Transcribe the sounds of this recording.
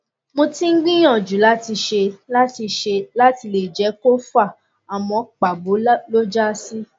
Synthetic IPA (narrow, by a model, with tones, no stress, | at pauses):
mõ˧tĩ˦ŋ̩˦ɡ͡bĩ˦j̃ɔ̃˦˨d͡ʒu˨˦la˦ti˧ʃe˧la˦ti˧ʃe˧la˦ti˧le˨d͡ʒɛ˨˦ko˦fa˦˨ | a˨mɔ̃˧k͡pa˨bo˨˦lo˦d͡ʒa˦si˦